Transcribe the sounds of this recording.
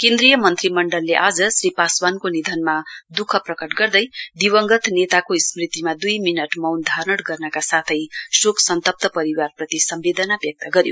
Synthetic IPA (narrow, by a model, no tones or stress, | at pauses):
kend̪rijʌmʌnt̪rimʌɳɖʌlːeʔad͡zʌsripaswankonid̪ʱʌnmad̪ukʰʌprʌkʌʈɡʌrd̪ʌjd̪iwʌŋɡʌt̪ʰnet̪akosmrit̪imad̪ujminʌʈmʌwnd̪ʱarnʌɽɡʌrnʌkasat̪ʰʌjsoksʌnt̪ʌp̚t̪ʌpʌɾiwarprʌt̪isʌmbed̪ʌnabjʌk̚t̪ʌɡʌɾjo̰